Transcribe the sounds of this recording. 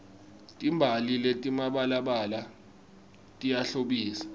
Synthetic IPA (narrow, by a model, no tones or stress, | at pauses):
tʼimbʱaliletʼimaɓalaɓala | tʼijaɬoɓiːsḁ